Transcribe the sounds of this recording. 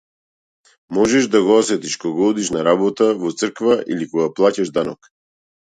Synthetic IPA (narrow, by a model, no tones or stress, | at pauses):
mɔʒɛʃd̪aɡɔɔsɛt̪iʃkɔɡɔɔd̪iʃnaɾabɔt̪avɔt̪sr̩kvaʔḭlikɔɡaplˠacaʒd̪anɔk